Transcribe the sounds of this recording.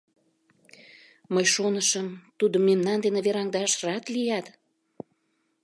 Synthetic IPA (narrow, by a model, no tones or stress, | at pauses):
məjʃonəʃəmt̪ud̪əmːemnɑnd̪enĕβeɾɑŋd̪ɑʃrɑt̪lijɑt̪